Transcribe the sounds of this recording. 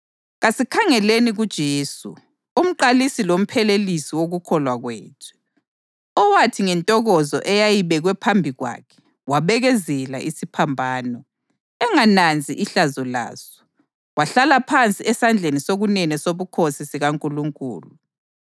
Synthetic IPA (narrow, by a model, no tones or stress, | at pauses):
ɣasikʰaŋɛleniɣud̥ʒ̥ʱeːsṵ | um̩ǃalisilom̩pʰɛlelisiwoɣukʰɔlwaɣwḛːtʰɛ̥ | ɔwatʰiŋɛntʼɔɣɔzɔ̰ʔɛjajiβɛɣwɛpʰambʱiɣwa̰ːkʰɛ̥ | waβɛɣɛzɛla̰ʔisipʰambʱaːnɔ | ɛŋanand͡zʱiʔiɬazɔla̰ːzɔ̥ | waɬalapʰant͡sʼiɛsand͡ɮʱenisoɣunɛnɛsoβukʰosisiɣaŋkʼuluŋkʼṵːlu